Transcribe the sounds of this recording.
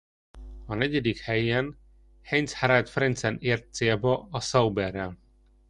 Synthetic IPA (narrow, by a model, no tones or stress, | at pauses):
ɒnɛɟɛd̪ikhɛjɛn | hɛɲt̪shaɾajt̪frɛnt̪sɛneːrt̪̚seːlbɒɒsɒwbɛrːɛl